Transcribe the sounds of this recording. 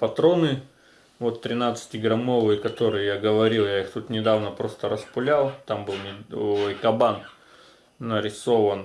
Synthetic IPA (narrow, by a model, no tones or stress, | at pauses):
pɐt̪ɾo̞nɨ | vo̞t̪ːɾʲɪnat̪sɨ̥tʲɪɡɾɐmo̞vɨjəkɐt̪o̞ɾɨjəjaɡəvɐɾʲilˠjaixt̪ut̪nʲɪd̪avnəpɾo̞st̪əɾəspʊlʲalˠt̪ambɨlˠnʲɪkɐbanː | əɾʲɪso̞vən